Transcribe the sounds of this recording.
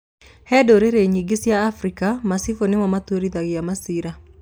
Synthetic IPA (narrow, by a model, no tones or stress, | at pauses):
hɛdoɾeɾeɲiɡɪsjaːfɾikamasifonɪmamat̪oɾid̪aɡɪjamasiɾa